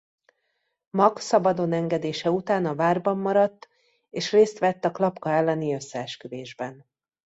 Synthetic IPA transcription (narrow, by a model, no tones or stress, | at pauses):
mɒksɒbɒd̪o̞nɛŋɡɛd̪eːʃɛut̪aːnɒvaːrbɒmːɒɾɒt̪ː | eːʃreːst̪ʋɛt̪ːɒklɒpkɒɛlːɛniø̞sːɛɛʃkyd̪eːʒbɛn